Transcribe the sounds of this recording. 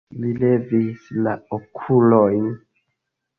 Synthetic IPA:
lile̞visla̰okʰulojn

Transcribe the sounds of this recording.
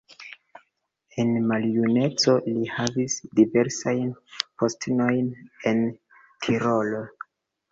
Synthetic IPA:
e̞nmaljune̞t͡so̞lihavisdive̞ɾsajnpʰostno̞jne̞n | tʰiɾo̞lo

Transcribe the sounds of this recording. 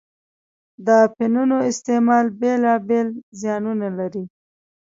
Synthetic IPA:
d̪əpɪnunoɪst̪emɑlbelɑbelzjɑnunalaɾi

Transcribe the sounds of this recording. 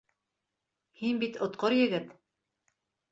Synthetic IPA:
hinbit̪ŏt̪̚qoɾjɘ̆ɡɘt̪

